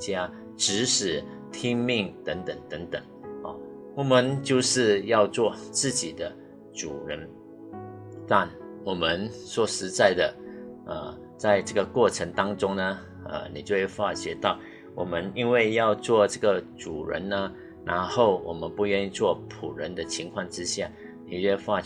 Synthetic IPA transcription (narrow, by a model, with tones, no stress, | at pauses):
t͡ɕja˥ | ʈ͡ʂɻ̩˧˥ʂɻ̩˨˩ | t̪ʰi˥ŋmi˥˩ŋt̪ə˧˥ŋt̪ə˨˩ŋt̪ə˧˦˥ŋt̪ə˨˩ŋɔ̰˨˩ | wɔ˨˩mə˦nt͡ɕjo˥˧ʊʂɻ̩˥˧jɑ˥˧ʊt͡swɔ˥˧t͡sɹ̩˥˩t͡ɕi˨˩d̪ə˦ | ʈ͡ʂu˨˩ɻə˧˦n | t̪a˥˩nwɔ˨˩mə˧˦nswɔ˨˩ʂɻ̩˧˥t͡sa˥˩ɪd̪ə˩ə˧ | t͡sa˥˧ɪʈ͡ʂɤ˥˩ɡə˨kwɔ˥˩ʈ͡ʂʰə˧˥ŋt̪ɑ˥ŋʈ͡ʂʊ˥ŋnə˧ | ə̰˧˩ni˨˩t͡ɕjo˥˧ʊjɛ˥˩fwa˥˧ɕjɛ˧˥t̪ɑ˥˩ʊ | wɔ˨˩mə˦ni˥nwe˥˧ɪjɑ˥˧ʊt͡swɔ˥˧ʈ͡ʂɤ˥˩ɡə˩ʈ͡ʂu˨˩ɻə̰˧˦nnə˧ | nʔa̰˧˥nxo˥˩ʊwɔ˨˩mə˦npu˥˧ɥɛ˥˧ni˥˧t͡swɔ˥˩pʰu˨˩ɻə˧˦nd̪ə˧t͡ɕʰi˧˥ŋkʰwɑ˥˧ŋʈ͡ʂɻ̩˥ɕja˥˩ | ni˨˩ɥɛ˥˧fa˥˧